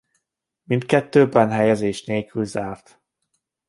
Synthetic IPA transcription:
mint̪kɛt̪ːøːbɛnɦɛjɛzeːʃneːlkylzaːrt̪

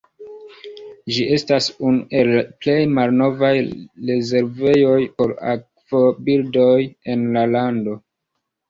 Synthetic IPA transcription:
d͡ʒiʔe̞stasunuʔe̞lple̞jmalno̞vajɾe̞ze̞ɾve̞jo̞jpo̞ɾa̰k | v̥obildo̞je̞nlalando̞

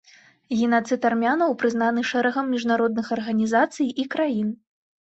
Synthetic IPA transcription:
ɣʲinat̪sɨt̪armʲanɐwpɾɨznanɨʂɛɾɐɣɐmːʲiʐnaɾɔd̪nɨxɐrɣɐnʲizat̪sɨjikɾajin

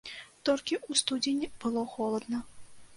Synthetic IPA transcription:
t̪ɔlʲkʲiʔust̪ud͡zʲinʲib̥ɨlˠɔxɔlˠɐd̪nɐ

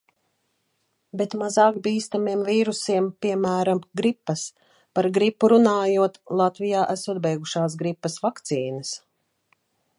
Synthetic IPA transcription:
bet̪mazaːkbiːst̪amiɛmviːɾusiɛmpiɛmæːɾamɡɾipːɐs | paɾɡɾipːuɾunaːjuɔt̪lˠat̪vijaːʔæsuɔd̪̚bɛjɡuʃaːs̬ɡɾipːɐsvakt̪siːnɐs

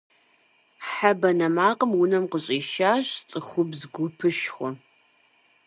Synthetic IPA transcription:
ħabɐnɐmaːqəmwʊnɐmqəɕʼiːʃaːɕt͡sʼɨxʷʊbzɡʷʊpʰɨʃxʷʊ

